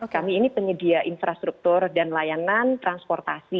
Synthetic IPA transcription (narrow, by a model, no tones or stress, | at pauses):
okamiːnipəɲədiaʔinfɾast̪ɾuk̚t̪ʊrdanlajanant̪ɾanspɔrt̪asi